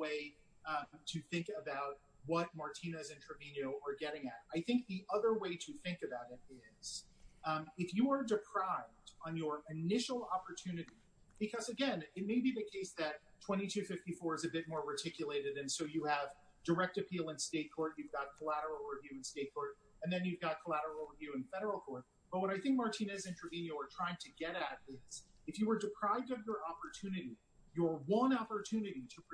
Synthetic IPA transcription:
weɪ | ɾʰɨθɪ̃ŋkɨbaʊt̚ | wʌt̚mɑɹtʰĩnɨzɪ̃ntʰə˞vĩnjɨʊə˞ɡɛɾɪ̃ŋɨt̚aɪθɪ̃ŋk̚ðiʔʌðə˞weɪɾɨθɪ̃ŋkɨbaʊɾɨɾɪz̥ | ɨfjɨə˞dɨpʰɹ̥aɪvdn̩jə˞ɪnɪʃl̩ˠɑpə˞tʰʉnɨɾi | b̥ɨkʰʌzɨɡɛ̃nɨt̚meɪbiðɨkʰeɪsðɨt̚tʰw̥ɛ̃ɾ̃itʰʉfɪftifɔɹɨzɨbɪt̚mɔɹətʰɪkjɨleɪɾɨɾɨ̃nsoʊjɨəv | də˞ɛk̚tɨpʰilˠə̃nsteɪt̚kʰɔɹt̚jʉvɡɑt̚kʰəlæɾə˞l̩ˠɹɨvjʉɨ̃nsteɪt̚kʰɔɹɾ | ɨ̃nðɨ̃njʉvɡɑt̚kʰəlæɾə˞l̩l̩ˠɹəvjʉɨ̃nfɛɾə˞l̩ˠkʰɔɹt̚ | b̥ʌt̚wʌɾaɪθɪ̃ŋk̚mɑɹtʰĩnɛzɪ̃ntʰəvĩnjɨə˞tʰɹ̥aɪɪ̃ŋtʰɨɡɛɾɨɾ̚ɪz̥ɨfjɨwə˞dɨpʰɹ̥aɪvdʌvjə˞ʔɑpə˞tʰʉnɨɾi | jə˞wʌ̃nɑpə˞tʰʉnɨɾiɾə

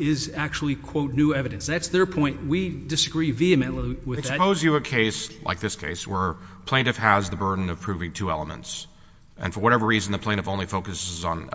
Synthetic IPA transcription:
ɪzæk̚t͡ʃul̩ˠikʰw̥oʊtⁿnʉɛvɨɾɨ̃nsðætsðə˞pʰɔ̃ɪ̃nt̚widɨsɨɡɹiviɨmɨ̃nl̩ˠiwɪððspʰoʊzjɨəkʰeɪslʔa̰ɪk̚ðɪskʰḛɪswə˞ | pʰl̥ẽɪ̃ntɨfhɨzðəbɜ˞dⁿn̩ʌv̥pʰɹ̥ʉvɪ̃ŋtʰʉɛ̰lˠəmə̰̃nts | ʔɨ̰̃nfə˞wʌɾɛvə˞ɹiz̃n̩ðɨpʰl̥ẽɪ̃ɨfõʊ̃nlifoʊkɨsɨzn̩

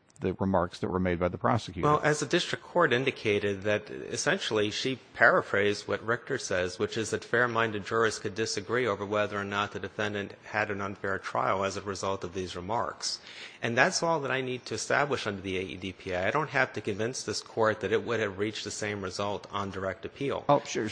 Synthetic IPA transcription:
ðɨɹɨmɑ̰ɹksðɨ̰ʔ̚wə̰˞meɪd̚baɪðəpʰɹ̥ɑ̰sɨkjʉwɛlˠʔɨzɨdɪstɹ̥ɨkʰːɔɹɾɪ̃ndɨkʰeɪɾɨd̪̚ðɨɾ̰ɨ̰sɛ̃nʃl̩ˠiʃipʰɛɹɨfɹeɪzwʌ̰t̚ɹɪk̚tə˞sɛzwɨt͡ʃɨzðɨtfɛɹmãɪ̃ndɨd̚d͡ʒʊɹɨskʰɨdɪsɨɡɹioʊvə˞wɛðə˞ənət̪̚ðɨdɨfɛ̃ndɨ̃nʔ̚hɨɾɨ̃nʌ̃nfɛɹtʰɹ̥a̰ɪl̩ˠəzɨɹɨzʌlˠtʌvðizɹɨmɑ̰ɹks | ʔɨ̃nðætsɔlˠðəɾaɪnid̚tʰɨɨstæ̰bləʃʌ̃ndə˞ðieɪḭdipʰiaɪaɪɾõʊ̃nt̚ɦæftɨkɨ̃ɱvɪ̃nsðɪskʰɔɹt̪̚ðɨɾɨt̚wʊɾɨvɹit͡ʃðɨsẽɪ̃mɹɨzʌlˠtn̩də˞ɛk̚tɨpʰilˠʃʊɹ

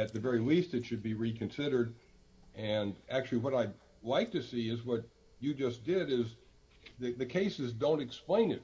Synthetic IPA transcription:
ɨt̪̚ðɨvɛɹilistɨtʃɨd̚biɹikʰɨ̃nsɪɾə˞d | ʔɨ̃næk̚t͡ʃʉl̩ˠiwʌɾaɪ | laɪk̚tɨsiɪzwʌt͡ʃ | ɨd͡ʒʌsd̥ɪɾɪz | ðɨðɨkʰeɪsɨzdõʊ̃ntɨksplẽɪ̃nɨt̚

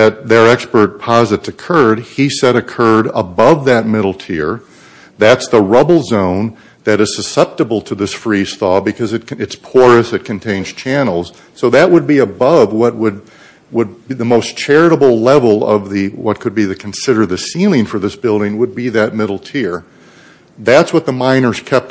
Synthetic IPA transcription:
ðɨt̪̚ðə˞ɛkspə˞t̚pʰɑzɨtsɨkʰɜ˞d̚isɛɾɨkʰɜ˞ɾəbʌvðɨt̚mɪɾl̩ˠtʰɪɹ | ðætsðəɹʌbl̩ˠzõʊ̃n | ðɨɾɨz̥sɨsɛp̚təbl̩ˠtʰɨðɪsfɹisθɔbɨkʰʌzɨt̚ɨtspʰɔɹɨsɨt̚kʰɨ̃ntʰẽɪ̃nz̥t͡ʃʰænl̩ˠz̥ | soʊðɨʔ̚wəd̚biɨbʌvwʌt̚wəd̚ | wəd̚iðɨmoʊst͡ʃʰɛɹɨɾəbl̩ˠlɛvl̩ˠʌ̰vðɨwʌt̚kʰɨd̚biðɨkʰn̩sɪɾə˞ðɨsilˠɪ̃ŋfə˞ðɪsb̥ɪlˠdɪ̃ŋwəd̚biðɨt̚mɪɾl̩ˠtʰɪɹ | ðætswʌt̪̚ðəmãɪ̃nə˞z̥kʰɛp̚t

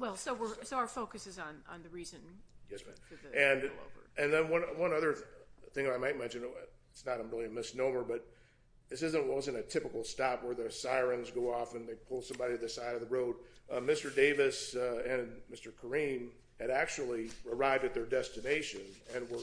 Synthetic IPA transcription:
wɛlˠsoʊwɪɹsoʊaʊə˞foʊkɨsɨzñ̩nðɨɹizɨ̃njɛsmæ̰̃nɨ̃no̰ə̰˞ɨ̃nðɨ̃nwʌ̃nwʌ̃nʌðə˞θɪ̃ŋðɨɾaɪmaɪt̚mɛ̃nʃɨ̃nɪtsnəɾmɹɪlˠiɨmɪsnõʊmə˞bʌɾ | ðɪs̬ɪzɨ̃nt̚wʌzɨ̃ñɨtʰɪpəkl̩ˠstɑpwə˞ðɨsaɪɹɨ̃nzɡoʊɔfɨ̃nðeɪpʰʊlˠsʌ̃mbɑɾiɾɨðɨsaɪɾʌvðəɹoʊd̚mɪstə˞deɪvɨsɨ̃nmɪstə˞kʰə˞ĩm | ɨɾæk̚t͡ʃul̩ˠiə˞aɪvdɨt̪̚ðə˞dɛstɨneɪʃɨ̃nɨ̃nwə˞

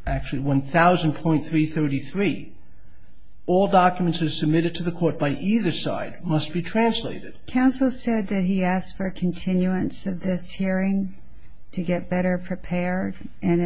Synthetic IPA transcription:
ʔæk̚t͡ʃʉl̩ˠiwʌ̃nθaʊzɨ̃npʰɔ̃ɪ̃nθɹiθɜ˞ɾiθɹi | ɔlˠdɑkjmɨ̃ntsɨz̥sɨb̚mɪɾɨd̚tʰɨðɨkʰɔɹt̚b̥aɪʔiðə˞sa̰ɪd̚mʌst̚b̥itʰɹ̥æ̃nsleɪɾɨd̥kʰãʊ̃nsl̩ˠsɛd̪̚ðɨt̚iæstfə˞kʰn̩tʰɪ̃njʉɨ̃nsʌvðɪshiɹɪ̃ŋ | tʰɨɡɛt̚b̥ɛɾə˞pʰɹ̥ipʰɛɹɾ | ʔɨ̃n

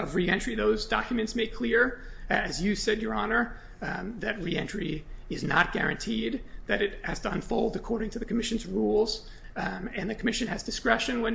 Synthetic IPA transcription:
ʌvɹiɛ̃nt͡ʃɹ̥iðoʊzdɑ̰kjɨmɨ̃ntsmeɪkʰl̥ɪɹɨzjɨsɛdə˞ɑnə˞ | ðɨt̚ɹiɛ̃nt͡ʃɹ̥iɨznə̰t̚ɡ̥ɛ̰ɹɨ̰̃ntʰid̪̚ðɨɾɨt̚hɨz̥tʰəə̃nfoʊlˠdɨkʰɔɹɾɪ̃ŋtʰɨðɨkʰəmɪʃɨ̃n̩zɹulˠz̥ | ɨ̃nðɨkʰəmɪʃɨ̃nɨzdɨskɹɛʃɨ̃nwə̃n

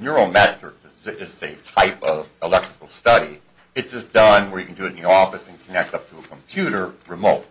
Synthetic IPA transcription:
njəɹõmɛt͡ʃɹ̥əksɨɪzsetʰaɪpʌvəlɛk̚tɹ̥əkl̩ˠstʌɾi | ɨt̚d̥ʒ̥ʌsd̥ʌ̃nwə˞jɨkʰn̩dɨɨɾɨ̃n̩ðiɔfɨsɨ̃nkʰənɛk̚tʌp̚tʰəːkʰm̩pʰj̥ʉɾə˞ɹɨmoʊt̚

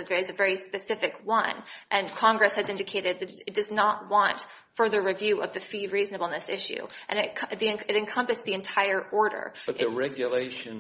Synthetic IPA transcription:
ðɨzɨvɛɹispɨsɪfɨkwʌ̰̃nʔɨ̃nkʰɑ̃ŋɡɹɨshɨzɪ̃ndɨkʰeɪɾɨd̪̚ðɨɾɨt̚d̥ʌznət̚wɑ̃nt | fɜ˞ðə˞ɹivjʉʔʌ̰vðɨfiɹiznəbl̩ˠnɨsɪʃʉ̰ʔɨ̰̃nɨtkʰðiɨ̃ɨɾɨ̃nkʰʌ̃mpɨsðiɨ̃ntʰaɪə˞ʔɔɹɾə̰˞b̥ʌt̪̚ðɨɹɛɡjɨleɪʃɨ̃n

